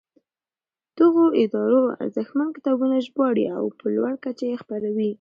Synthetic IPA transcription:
d̪̥əɣoɪd̪ɑɾoa̰nzexmankɪ̥t̪ɑbunaʒbɑɽḭa̰wpəlwaɽkat͡ʃajexpaɾawi

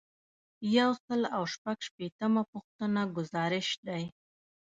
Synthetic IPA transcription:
jawsəlawʃpaɡʃpet̪əmapʊxt̪ənaɡʊzɑɾɪʃd̪aj

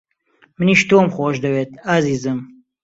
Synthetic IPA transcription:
mɨniːʃt̪oːmxoːʃd̪ɐweːt̪̚aziːzɨm

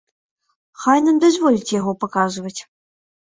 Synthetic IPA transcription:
xajnamd̪ɐzʲvɔlʲit͡sʲjaɣɔpɐkazɨvɐt͡sʲ

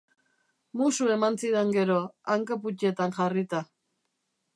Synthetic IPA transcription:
musue̞mansiðeŋɡe̞ɾo̞aŋkaput͡ʃ̪e̞t̪anʝarit̪a

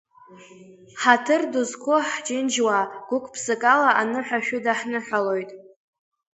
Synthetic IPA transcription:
ħatʰɨrduzkʷʰʊħd͡ʒʼɪnd͡ʒwaɡ̥ʷʊkʷʰʼpʰsɨkʼalaʔanɨħʷᶣaʃᶣʊdaħnɨħʷᶣalojtʼ

